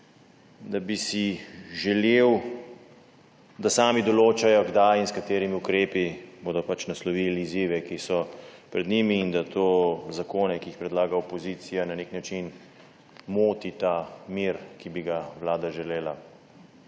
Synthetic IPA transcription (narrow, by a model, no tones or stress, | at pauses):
d̪abisiʒɛlew | d̪asaːmid̪ɔloːt͡ʃajɔɡd̪ajinskat̪eːɾimiukɾeːpiboːd̪ɔpat͡ʃnaslɔʋiliziːʋɛkisɔpɾɛd̪nimiːnd̪at̪ʰoːzakoːnɛkiixpɾɛd̪laːɡaɔpɔziːt̪sijananeknat͡ʃin | moːt̪it̪amiɾkibiɡawlaːd̪aʒɛleːla